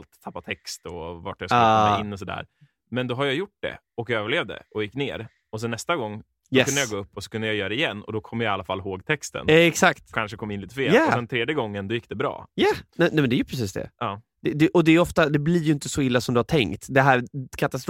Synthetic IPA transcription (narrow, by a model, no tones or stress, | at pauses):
lt̪ʰapːat̪ʰɛkst̪ɔva̰ʈjasːɛɪnːɔsɔd̪æ̰ːɾ | mɛnd̪ɔɦaɾjajʊʈ̚d̪ɛ̰ | ɔkjaøːvəɭeːvd̪ə̰ʔɔjɪkːnḛːɾ | ɔs̬ɛnɛst̪aɡɔŋː | jɛɵd̪jaɡoːɵpːɔsɔ̥kɵnd̪əjajœːɾɛɪjɛnːɔ̰d̪ɔkʰɔmːjaalːafalːɦoːɡt̪ʰɛkst̪ə̰nɛksakt̪kʰanʂəkʰɔmːɪnliːt̪əfeːljasɛnt̪ʰɾeːd̪jəɡɔŋːənd̪ɔjɪkːd̪ɛbɾɑ̰ːjanɛnɛmɛnd̪æːjɵpʰɾɛs̬iːsd̪ɛ̰ʔɑː | d̪̥ɛd̪ɛʔɔd̪ɛːjɔft̪ad̪ɛblɪɾjɵɪnt̪əsɔɪlːasɔmd̪ɵhaʈtʰɛŋkt̪d̪ɛɦæːɾkʰat̪ast̪ɾ